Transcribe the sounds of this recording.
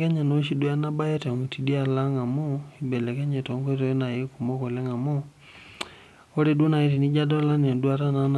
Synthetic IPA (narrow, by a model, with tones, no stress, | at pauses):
kɛ˦ɲa˨no˨ʃi˦dwa˦na˦ba˦ɛ˦tɛ˨mu˨ti˨di˦a˦˨la˦ŋa˨mo˦i˨bɛ˨lɛ˨kɛ˦ɲɛ˨to˨ŋkwɛ˦t̬ɔ˨jɔ˦na˨je˦ku˨mo˦kɔ˨lɛ˦ŋa˨mo˦ | o˦ɾe˦dwo˦na˨i˨ti˨ni˦d͡ʒa˦dɔ˦la˦ne˨ndwa˦ta˦na˨n˨